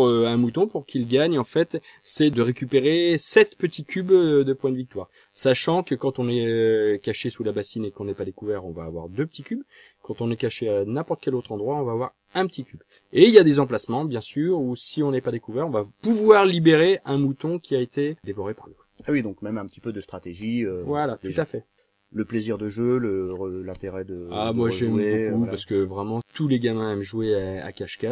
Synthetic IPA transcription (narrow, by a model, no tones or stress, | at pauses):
øɛ̃mut̪ɔ̃puʁkʰʲilɡaɲɑ̃fɛt̪ | sɛd̪əʁekʲypeʁesɛt̪pət̪ikʲʰybd̪əpwɛ̃d̪əvik̚t̪waʁ | saʃɑ̃kəkɑ̃t̪ɔ̃nɛkaʃesulabasinekɔ̃nɛpad̪ekuvɛʁɔ̃vaːvwa̰ʁd̪øpət̪ʰikʲyb | kɑ̃t̪ɔ̃nɛkaʃeanɛ̃pɔʁt̪ə̥kʲɛlot̪χɑ̃d̪ʁwaɔ̃vaːvwaʁ | ɛ̃pət̪ikʲyb | eiljad̪ezɑ̃plasmɑ̃bjɛ̃syʁusiɔ̃nɛpad̪ekuvɛʁɔ̃vapuvwaʁlibeʁeɛ̃mut̪ɔ̃kʲiaet̪ed̪evɔʁepaʁlo | awid̪ɔ̃kmɛmɛ̃pə̥t̪i̥pød̪əst̪χat̪eʒiøvwalat̪ut̪afɛ | ləpleziʁd̪əʒøləʁəlɛ̃t̪eʁɛd̪əamwaʒɛmbbokupaʁsə̥kəvʁɛmɑ̃t̪ʰuleɡamɛ̃ɛmʒuea̰kaʃka